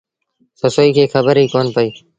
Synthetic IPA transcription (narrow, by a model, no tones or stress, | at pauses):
t̪osoːiːkʰeːkʰəbəɾɦiːkoːnpəiː